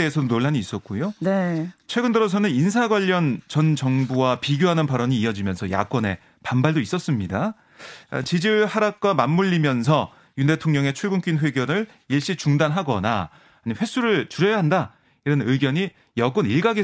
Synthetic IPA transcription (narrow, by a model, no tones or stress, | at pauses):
eesʰʌdonoɭːaɲiːs͈ʌt̚k͈ojonet͡ɕʰwe̞ɡɯndɯɾʌs̬ʰʌnɯnins̬ʰaɡwaʎːʌnt͡ɕʌnt͡ɕʌŋbuwapiɡjoɦanɯnpaɾʌɲiːʌd͡ʑimjʌnsʰʌja̰k͈ʌne̞̰ | pambaɭdois͈ʌs͈ɯmɲida̰ | t͡ɕid͡ʑiɯɭhaɾak̚k͈wamamːuʎːimjʌns̬ʰʌ | junde̞tʰoŋɲʌŋe̞t͡ɕʰuɭɡunk͈inɸwe̞ɡjʌɾɯɭ | iɭɕ͈it͡ɕuŋdanɦaɡʌ̰na̰ː | ɲiɸwe̞sʰuɾɯɭt͡ɕuɾjʌjaɦanda | iɾʌnɯɡjʌɲi | jʌɡ͈ɯniɭɡaɡe